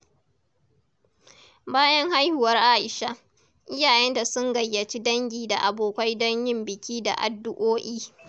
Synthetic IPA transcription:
baː˦jɐ˦ŋha˦jhʊ˨wɐ˦rʔaː˦ʔɪ˨ʃa˦ | ʔɪ˦jaː˨jɛ˦nda˨sʊ˦ŋɡɐ˨jːɐ˨t͡ʃi˦dɐ˦ŋɡʲiː˨da̰˨ʔa˨boː˨kʷa˦jdɐ˦ɲjɪ˦mbɪ˨kʲiː˦da̰˨ʔa̰˨dːʊ˦ʔoː˦ʔiː˦

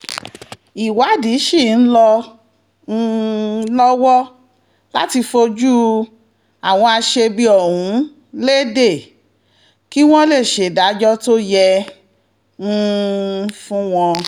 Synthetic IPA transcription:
i˨wa˨˦˨di˨˦ʃi˦˨n̩˦lɔ˧ | ñ̩˦˧lɔ˦wɔ˦ | la̰˦ti˧fo˧d͡ʒu˦ | a˨w̃ɔ̃˧a˧ʃe˧bi˧˦ɔ˦˨hũ˨˦ | le˦de˦˨ | ki˦w̃ɔ̃˦le˦˨ʃe˨da˨˦d͡ʒɔ˦to˦jɛ˧ | ñ̩˦ | fũ˦w̃ɔ̃˧

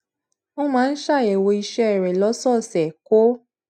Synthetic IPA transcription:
o˦mãː˦˧n̩˦ʃa˦˨ɛ˨wo˧i˧ʃɛ˦ɛ˦˨ɾɛ˨lɔ˨˦sɔ˦˨sɛ˨ko˦

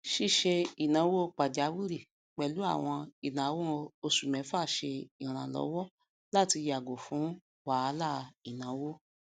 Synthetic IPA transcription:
ʃi˦˨ʃe˧i˨nã˨˦wo˦˧˦k͡pa˨d͡ʒa˨˦wi˦ɾi˦˨ | k͡pɛ˨lu˨˦a̰˦˨w̃ɔ̃˧i˨nã˨˦wo˦˧o˧su˨mɛ̃˨˦fa˦˨ʃe˧i˨ɾ̃ã˨lɔ̰˨˦wɔ˦ | la˦˨ti˧ja˨ɡo˨fũ˨˦ | wa˨˦˧la˦˨i˨nã˨˦wo˦

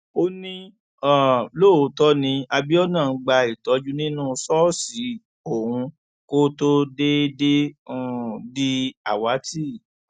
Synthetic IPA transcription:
o˧nĩ˦ | ã˨lo˦˨o˨˦tɔ˦nĩ˧a˧bi˦ɔ˦nã˦˨n̩˧˦ɡ͡ba˧i˨tɔ˨˦d͡ʒu˦nĩ˦nũ˦˧sɔ˦˨si˨˦ | o˦˨hũ˧ | ko˦to˦de˦dẽ˦˨ | di˦a˨wa˨˦ti˦˨

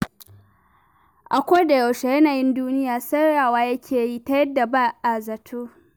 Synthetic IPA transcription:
ʔa˨kʷoː˦da˨ja˨wʃe˨jɐ˦naː˨jɪ˦nduː˦nɪ˦jaː˨sɐ˦ɾaː˨waː˦jɐ˦kʲʰeː˨ji˦ta˦jɐ˦dːa˨ba˦ʔa˨zɐ˨tʰoː˦

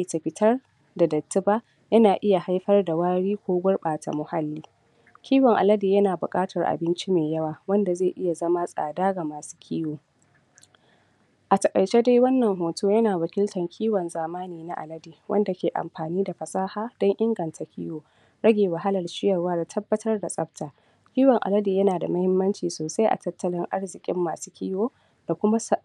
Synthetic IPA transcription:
ta˨ɸɪ˨tʰɐ˦r | da˨dɐ˨tːɪ˦baː˦ | jɐ˦naː˨ʔɪ˦ja˨ha˦jɸɐ˦rda˨waː˦ɽiː˦kʷoː˦ɡʷʊ˦rɓaː˨ta̰˨mʊ˨ha˦lːiː˦ | kʲiː˦wɔ˨ŋʔa̰˨lɐ˦di˨jɐ˦naː˨bʊ˨kʼaː˦tʰɐ˨rʔa̰˨bɪ˦nt͡ʃi˦meː˨jɐ˦waː˨wɐ˦nda˨zeː˦˨ʔɪ˦ja˨zɐ˦ma˦sʼa̰ː˨daː˦ɡa˨maː˨su̥ː˦kʲʰiː˦woː˨ | ʔa˨tɐ˨kʼɐ̰˨jt͡ʃeː˦da˦jwɐ˦nːɐ˨ŋɦoː˨tʰoː˦jɐ˦naː˨wɐ˨kʲɪ˦ltɐ˨ŋkʲʰiː˦wɔ˨nzaː˨maː˦niː˨na˦ʔa̰˨lɐ˦diː˨wʔɐ̰˦nda˨kʲeː˨ʔa̰˨mɸaː˨niː˦da˨ɸɐ˨sʼaː˦haː˦d̥ɔ˦ŋʔɪ˦ŋɡɐ˨ntʰa˦kʲḭː˦woː˨ | ɽɐ˦ɡʲeː˨wa˨ɦa˦lɐ˨rʃɪ˦jɐ˨rwaː˦da˨tʰɐ˦bːɐ˦tʰɐ˦rda˨sʼɐ˦p̚tʰaː˨ | kʲiː˦wɐ˨ŋʔa̰˨lɐ˦diː˨jɐ˦naː˨da˨mɐ˦hɪ˦mːɐ˦nt͡ʃiː˨soː˨sa˦jʔa̰˨tɐ˦tːɐ˦lɪ˦ŋʔa˦rzɪ˨kʲʼɪ̰˦mːaː˨suː˦kʲʰiː˦woː˦ | da˨kʷʊ˦ma˦s

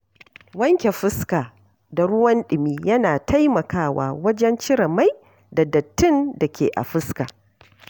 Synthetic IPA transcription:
wɐ˦ŋkʲe˨ɸɪ˦skaː˨ | da˨ɽʊ˦wɐ˦nɗɪ˨miː˦jɐ˦naː˨tʰa˦jmɐ˨kaː˦wa̰ː˨wɐ˦d͡ʒɛ˦nt͡ʃɪ˦ɾɐ˨ma˦j | da˨dɐ˨tːɪ˦nda˨kʲḛː˨ʔa̰˨ɸɪ˦ska̰ː˨

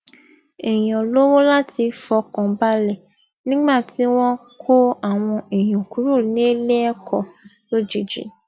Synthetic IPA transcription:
ɛ˨j̃ã˨lo˦wo˦la˦ti˧fɔ˧kɔ̃˨ba˦lɛ˦˨ | nĩ˦ɡ͡ba˦˨tʰi˨˦w̃ɔ̃˦kʰo˦a˨w̃ɔ̃˧e˨j̃ũ˨ku˨˦ɾo˦˨nĩ˦e˦le˦ɛ˦kʰɔ˨ | lo˦d͡ʒe˨d͡ʒḭ˨

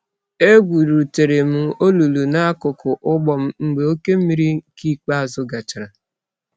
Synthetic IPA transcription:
e˦ɡʷu˨ɾu˨te˨ɾe˨m̩˦o˦lu˨lu˨na˦a˦kʊ˨kʊ˨ʔʊ˦ɡ͡bɔ˨m̩˦ŋ͡m̩˦ɡ͡be˨o˦ke˦m̩˦mi˦ɾi˦ki˦k͡pa˦a˨zʊ˨ɡa˨t͡ʃa˨ɾa˨

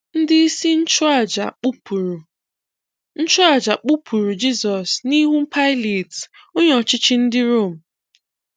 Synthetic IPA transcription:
n̩˦dɪ˦i˦si˦n̩˦t͡ʃa˦˨d͡ʒa˨k͡pɾ | n̩˦t͡ʃʊ˦a˨d͡ʒa˨k͡pu˦pʰu˨ɾu˨d͡ʒi˦zɔ˨sni˦ɦu˦m̩˦pʰa˦ɪ˦le˨t | o˦ɲɔ˨t͡ʃɪ˦t͡ʃɪ˦n̩˦dɪ˦ɾo˦˨m̩˨

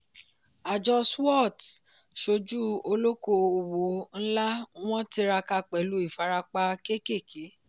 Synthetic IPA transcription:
a˨d͡ʒɔ˧swɔ˦˨t | ʃo˧d͡ʒu˦o˧lo˦ko˧o˨wo˨˦n̩˦la˦w̃ɔ̃˦ti˧˦ɾa˧ka˧k͡pɛ˨lu˨˦i˦˨fa˨˧ɾa˧k͡pa˧ke˦ke˦˨kʰe˨˦

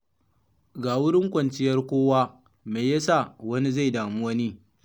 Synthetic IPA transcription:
ɡaː˨wʊ˦ɽɪ˦ŋkʷɐ˨nt͡ʃɪ˦jɐ˦rkʷoː˦waː˦ | me˨jjɐ˦sa˦˨wɐ˦ni˦za˦˨jdaː˨mʊ˦wɐ˦niː˦

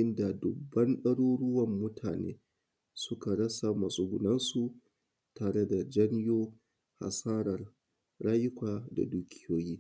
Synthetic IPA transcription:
ɪ˦nda˨dʊ˨bːɐ˦nɗɐ˦ɽoː˦ɽʊ˦wɐ˨mːʊ˦tʰaː˨nḛː˦ | sʊ˦ka˨ɽɐ˦sa˨mɐ˨sʼʊ˦ɡʷʊ˨nɐ˦nsu˨ | taː˨ɽe˦da˨d͡ʒɐ˦njoː˦ | ha̰˨saː˦ɽɐ˨r | ɽaː˦jɪ˦kʷaː˨da̰˨duː˦kʲʰɪ˦joː˦jiː˦

